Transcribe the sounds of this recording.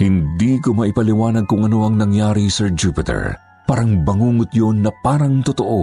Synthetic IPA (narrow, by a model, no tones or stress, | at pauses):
hɪnd̪ikomɐʔɪpɐlɪwaːnɐɡ̚kʊŋʔɐno̞ɐŋnɐŋjaːɾisɛɹd͡ʒuːpɪt̪ɛ̰ɹ | paːɾɐŋbɐŋuːŋʊt̪̚jonːɐpaːɾɐŋt̪ot̪o̞ʔo̞